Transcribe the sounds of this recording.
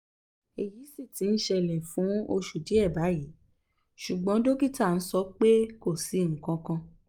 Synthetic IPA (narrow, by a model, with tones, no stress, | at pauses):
e˨ji˨˦si˦˨ti˨˦n̩˦ʃɛ˧˨lɛ˨fũ˨˦o˧ʃu˨di˨˦ɛ˦˨ba˨˦ji˨˦ | ʃu˨ɡ͡bɔ̃˨˦do˦ɡi˦˨ta˦˨n̩˦sɔ˦k͡pe˦ko˦˨si˧˦ŋ̩˨kã˧kã˧